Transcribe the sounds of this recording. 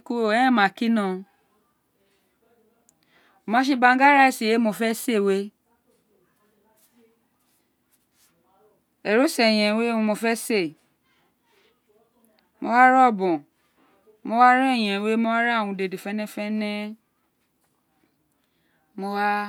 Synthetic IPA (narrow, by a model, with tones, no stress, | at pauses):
ku˧o˨ɛ˨˦ɛ̃˦˨mã˨˦ki˦nã˦˧˨ | o˨mã˨˦ʃ̬e˧bã˧ŋ̩˦ɡa˦ɾa˦i˨si˨je˨˦mo˧fɛ˦se˦˨we˦ | ɛ˨ɾo˦sɛ˨j̃ɛ̃˨we˦ũ˧mo˧fɛ˦se˦˨ | mo˧wa˦ɾɔ˦˨bɔ̃˨ | mo˧˦wa˦ɾɔ˦˨j̃ɛ̃˨˧we˦mo˧˦wa˦ɾa˦˨wũ˧de˨de˨fɛ˦nɛ̃˦fɛ˦nɛ̃˦ | mo˧wa˦